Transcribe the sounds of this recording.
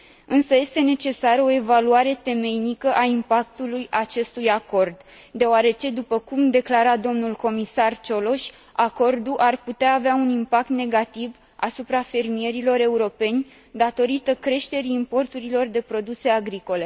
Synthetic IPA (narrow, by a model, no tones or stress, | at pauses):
ɨnsəje̞st̪e̞ne̞t͡ʃe̞saɾəo̞e̞valuaɾe̞t̪e̞me̞jnikəʔaimpak̚t̪ulujat͡ʃe̞st̪ujako̞rd̪ | d̪e̞oaɾe̞t͡ʃe̞d̪upəkumd̪e̞klaɾad̪o̞mnulko̞misart͡ʃo̞lo̞ʃʲ | ako̞rd̪uʔarput̪eaːveaunimpak̚t̪ne̞ɡat̪iv | a̰supɾafe̞rmie̞ɾilo̞ɾe̞uɾo̞pe̞nʲ | d̪at̪o̞ɾit̪əkɾe̞ʃt̪e̞ɾiːmpo̞rt̪uɾilo̞rd̪e̞pɾo̞d̪use̞aɡɾiko̞le̞